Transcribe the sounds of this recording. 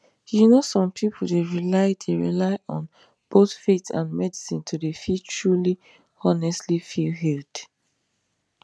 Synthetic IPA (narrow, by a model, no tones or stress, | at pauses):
junosɔ̃mpʰipʰuldeɹilaɪdeɹilaɪʔɔ̃n | b̥oθfetʰã̰nmɛdisĩntʰudefitʰɹuli | ɔnɛstlifilɦild̥